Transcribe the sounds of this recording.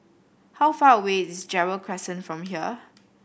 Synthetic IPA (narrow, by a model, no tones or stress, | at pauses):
hawfaːəwetɪsd͡ʒɛɹəlkʰɹɛsə̃nfɹɔ̃mɦiə